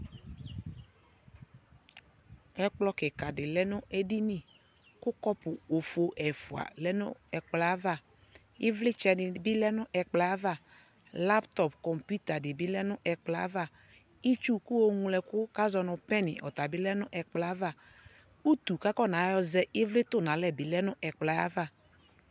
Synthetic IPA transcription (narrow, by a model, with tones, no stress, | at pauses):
ɛ˦k͡plɔ˦kɪ˨ka˨dɪ˨lɛ˦nʊ̃˦ʔe˦di˦nɪ̃˦˨ | kʊ˦kɔ˦pʊ˨o˨fo˨ʔɛ˨fʊ˨a̰˨lɛ˦nʊ̃˦ɛ˨k͡pla˨˦va˦˨ | ɪ˦vlɪ˦t͡ʃɛ˨nɪ˨bɪ˦lɛ˦nʊ̃˦ʔɛ˨k͡pla˨˦va˦˨ | la˦pt̪ɔ˨pkɔ˨mpju˦t̪a˨dɪ˨bɪ˦lɛ˦nʊ˦ʔɛ˨k͡pla˨˦va˦˨ | ɪ˦t͡ʃu˦kʊ˦o˦ŋũ˦lɛ˨kʊ˦ka˦zɔ˨nʊ˨pɛ˦nɪ̰˨ʔɔ̰˨t̪a˨bɪ˦lɛ˦nʊ̃˦ʔɛ˨k͡pla˨˦va˦˨ | u˦t̪u˨ka˦kɔ˦˨na˨˦jɔ˦zɛ˦ʔɪ˦vlɪ˦t̪ʊ˦nã˨lɛ˦bɪ˨lɛ˦nʊ̃˦ʔɛ˨k͡pla˨a̰˦va˦˨